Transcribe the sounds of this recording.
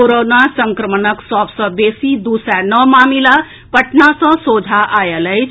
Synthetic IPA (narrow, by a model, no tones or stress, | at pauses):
oɾonasəŋkɾəmənəksɔbsə̃besid̪usanəmaːmila | pəʈnasə̃soːd͡ʒʱaʔajələjt͡ʃʰ